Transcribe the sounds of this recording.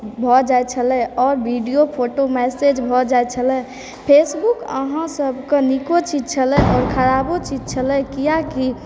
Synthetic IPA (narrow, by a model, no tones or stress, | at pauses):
bʱɔd͡ʒaɛt͡ʃʰəlɛ̃ɔːɾbiɖijopʰoʈomɛsed͡ʒbʱɔd͡ʒaɛt͡ʃʰəlɛ̃ | pʰesbukə̰ɦãsəbʱkenikot͡ʃid͡ʒt͡ʃʰəlɛ̃ʔɔːɾkʰəɾabot͡ʃid͡ʒt͡ʃʰəlɛkijaki